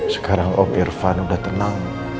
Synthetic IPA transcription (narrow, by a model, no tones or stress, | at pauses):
sə̥kaɾaŋɔ̰mirfanudaht̪ənaŋ